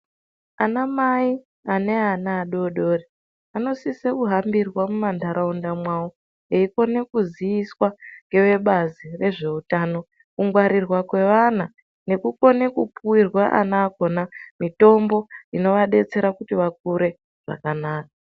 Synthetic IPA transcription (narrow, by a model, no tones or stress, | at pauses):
anamai | ane̞anaːɗo̞ɗo̞ri | ano̞sisekuɦambirwamumandʱaɾʔaundamwawo | eiko̞ne̞kuziiswaŋɡe̞ʋe̞ɓazire̞ʐe̞utano̞ | kuŋɡwaɾirwakwe̞ʋan̤a | ne̞kuko̞ne̞kupuwirwaʔa̰naːko̞namito̞mbo̞ino̞ʋaɗe̞t͡se̞ɾakutiʋak̚uɾe̞ | ʐ̥a̰kanaːka